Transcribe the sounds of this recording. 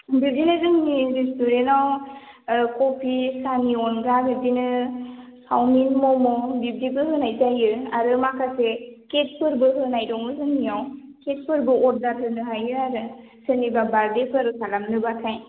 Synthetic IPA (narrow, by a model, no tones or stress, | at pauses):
bɯzinɯzɯŋnizistuɾenaw | kɔpʰisaniɔnɡaɡɯdinɯ | hawminmɔmɔbip̚dibɯɦɯnajzajɯaɾɯmakʰaseket̚pɯɾbɯɦɯnajdɔŋɯzɯŋnijawket̚pʰɯɾbɯɔt̚dat̚ʰɯnɯɦajɯaɾɯ | sɯnibabaɾdepʰɯɾɯsalamnɯbakʰaj